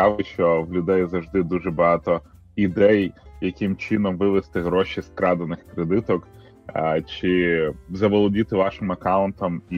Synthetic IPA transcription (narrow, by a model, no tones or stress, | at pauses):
ɑʋɪʃt͡ʃɔwlʲʊd̪ɛjizɐwʐʒd̪ɪd̪uʒɛbɐɦɑt̪ɔ | id̪ɛjjɐkɪmt͡ʃinɔmʋɪʋest̪ɪɦɾɔʃʲiskɾɑd̪ɐnɪxkɾed̪ɪt̪ɔk | t͡ʃɪzɐʋɔlˠɔdʲit̪ɪʋɑʃɪmɐkɑʊnt̪ɔmi